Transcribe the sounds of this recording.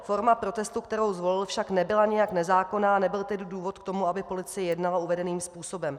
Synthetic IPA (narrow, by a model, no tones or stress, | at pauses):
fo̞ɾmapɾo̞t̪ɛst̪ukt̪ɛɾo̞wzvo̞lɪlfʃaknɛbɪlaɲɪjaknɛzaːko̞naːnɛbɪlt̪ɛdɪduːvo̞t̪kt̪o̞muabɪpo̞lɪt͡sɪjɛjɛdnalauvɛdɛniːmspuːso̞bɛm